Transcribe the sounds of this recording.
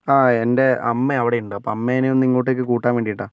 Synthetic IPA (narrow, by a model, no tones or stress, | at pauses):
aːe̞nde̞ɐmːeɐʋiɽeuɳɖɨɐpːoɐmːeneniŋːɐɭʈːekːɨkuːʈːaːnʋeːɳɖijiʈːaː